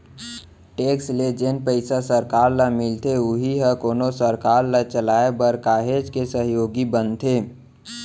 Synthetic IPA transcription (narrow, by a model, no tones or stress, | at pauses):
ʈeːksled͡ʒenpəɪsasəɾkaːɾlamɪlt̪ʰeʊɦiɦəkoːnosəɾkaːɾlat͡ʃəlaːebəɾkaːɦed͡ʒkesəɦjoːɡibənt̪ʰe